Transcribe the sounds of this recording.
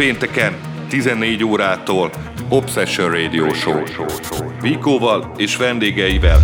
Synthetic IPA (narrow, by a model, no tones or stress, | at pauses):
eːnt̪ɛkɛn | t̪izɛnːeːɟoːɾaːt̪oːl | opsɛʃønreːd̪ioːʃo̰ːʃooviːkoːvɒl | eːʃʋɛnd̪eːɡɛjivɛl